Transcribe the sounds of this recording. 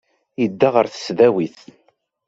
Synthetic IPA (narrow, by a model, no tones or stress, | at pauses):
jəd̪ːaʁəɾθə̥sðæwiθ